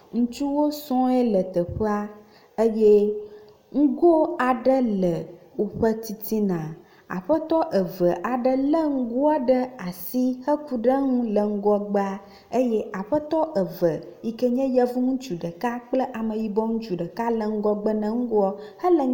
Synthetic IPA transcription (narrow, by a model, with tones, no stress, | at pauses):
ŋũ˦t͡ʃu˦wo˦sɔ̃˦ɛ˦lə˨t̪ə˨ɸə˦a˦ | ə˦je˦ | ŋ̩˦ɡo˦a˨ɖə˦lə˨wo˨ɸə˦t̪i˨t̪i˦nã˨ | a̰˨ɸə˦t̪ɔ˦ʔə˨və˨ʔa˨ɖə˦lə˦ŋ̩˦ɡu˦a˦ɖə˦a˨si˦hə˦ku˦ɖə˦ŋũ˦lə˨ŋ̩˦ɡɔ˦ɡ͡bə˦a˦ | ə˦jɛ˦ʔa˨ɸə˦t̪ɔ˦ʔə˨və˨i˦kə˦ɲɛ̃˦jɛ˦vu˦ŋũ˦t͡ʃu˨ɖə˨ka˦k͡plə˦ʔa˨mə̃˨ji˦bɔ˦ŋũ˦t͡ʃu˨ɖə˨ka˦lə˨ŋ̩˦ɡɔ˦ɡ͡bə˦nə̃˨ŋ̩˦ɡu˦ɔ˦hə˦lə˨